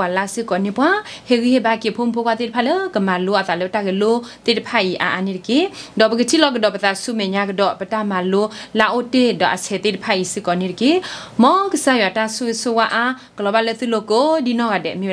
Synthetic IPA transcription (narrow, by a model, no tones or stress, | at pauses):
walasɨkɔnipwãheɣihebakepʰompʰokwat̪ed̚pʰaləkəmaloat̪aləpətaɡəlot̪edpʰaiʔa̰ʔaniɾkedɔbəɡətʰilɔɡədɔpət̪asumɛɲakədɔʔpətamalolaʔotedɔʔa̰sɛt̪edpʰaisɨkɔniɾkemɔkəsajwatasusowaʔa | kəlɔbalət̪ɨlokodinɔɣadɛ̰mi